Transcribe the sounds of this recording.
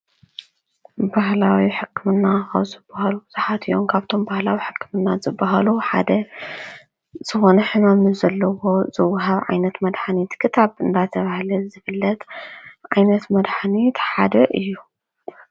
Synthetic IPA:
bahlawiħɨkʰːɨmɨnːaxɐ̰βzɨbːahalubɨzɨħat̪ʰijomkʰaβt̪ʰo̞mbahlawiħɨkːɨmɨnːazɨbːaɦaluħa̰d̪ɐ | z̥ɨxo̞nɐħɨmamnuzɐlːɐwo̞zɨwːɦaβʕa̰jnɐt̪mɐd̪ħanit̪kʰɨt̪ʰaβɨnd̪at̪ʰɐβahlɐzɨfɨlːɐt̪ʕajnɐt̪mɐd̪ħanit̪ħad̪ɐʔɨjːu

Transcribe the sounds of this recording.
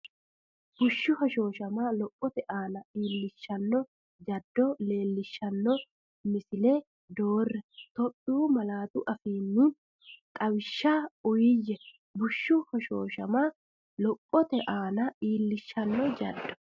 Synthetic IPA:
bʊʃːʊhɔʃo̞ːʃɐmaːlɔpʼːɔt̪ɛʔaːnɐiːlːɪʃːɐnːɔ | d͡ʒɐd̪ːɔle̞ːlːɪʃːɐnːɔ | mɪsɪleː | d̪oːrːɛt̪ɔɗuːmɐlaːt̪uʔɐfiːnːuːn | kʼɐwɪʃːaːʊjɪjːɛ | bʊʃːʊhɔʃoːʃɐmaː | lɔpʼːɔt̪ɛʔaːnɐiːlːɪʃːɐnːɔd͡ʒɐ̰d̪ːɔ̥

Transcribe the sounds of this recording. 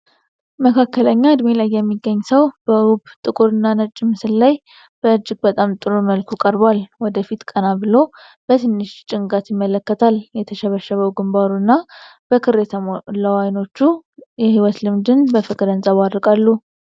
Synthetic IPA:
məkʰakːələɲːaːd̪melajːɛmːiɡːəɲːsəwb̥əubt̪ʼɨkʼuɾɨnːanət͡ʃʼːɪmːɨsɨlːaj | b̥əɨd͡ʒːɪɡ̚bət̪ʼamt̪ʼɨɾoməlkʰukʼəɾbwalwɔd̪əfit̪kʼənabɨlo | b̥ət̪ʰɨnːɨʃt͡ʃʼɪŋɡat̪jɪmːələkːət̪ʰaljɛt̪ʰəʃəβəʃːəβəwɡɨmbaɾunːab̥əkʰɨɾet̪ʰləwajno̞t͡ʃːujɛhiwɔt̪lɨmd̪ɨnbəfɨkʼɨɾənsʼaβadːɨkʼalːu

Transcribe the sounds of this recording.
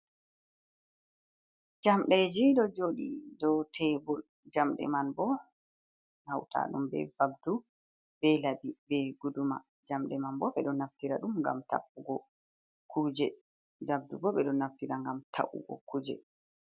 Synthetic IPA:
d͡ʒamɗɛd͡ʒiɗɔd͡ʒoɗḭdɔtʰɛbɔl | d͡ʒamɗɛ̰manbɔ | hawtʰa̰ɗumbɛ̰vab̚du | bɛlabibɛɡuduma̰ | d͡ʒamɗɛmanbɔɓɛɗɔnːaftiɾaɗumŋɡa̰mta̰pːuɡɔ | kʰud͡ʒɛ | vab̚dubɔɓɛɗɔnaftiɾaŋɡamtʰa̰ʔṵɡɔ̰kuːd͡ʒɛ̰

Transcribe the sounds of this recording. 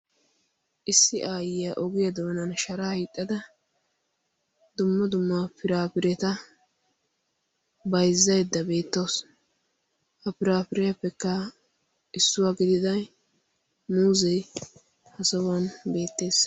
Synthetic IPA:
ʔɪsːɪʔaːjɪjaʔɔɡɪjɐd̪oːnɐnʃɐɾaːhijt̪ʼːɐd̪ɐ | d̪ʊmːɐd̪ʊmːaːpɪɾaːpɪɾɛt̪ɐ | bɐjzːɐjd̪ːɐbe̞ːt̪ːoːs | hɐpɪɾaːpɪɾɛjɐpːɛkːɐ | ʔɪsːʊwaːɡɪd̪ɪd̪ɐj | muːzɛj | hɐsɐwɐnbe̞ːt̪ːe̞ːs

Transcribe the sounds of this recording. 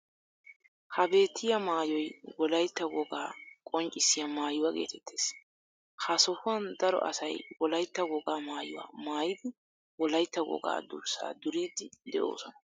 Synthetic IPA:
hɐbe̞ːt̪ʰːɪjɐmaːjɔjwɔlɐjt̪ːɐɡɔɡaːkʼɔnt͡ʃʼɪsːɪjɐmaːjʊwaɡe̞̰ːt̪ʰɛt̪ʰːe̥ːs | hɐsɔhʊwɐnd̪ɐɾɔ̰ʔɐ̰sɐjwɔlɐjt̪ːɐɡɔɡaːmaːjʊwa̰ːmaːjɪd̪ɪ | wɔlɐjt̪ːɐɡɔ̰ɡa̰ːd̪ʊ̰ɾsa̰ːd̪ʊɾiːd̪ɪd̪ɛʔo̰ːsɔnɐ

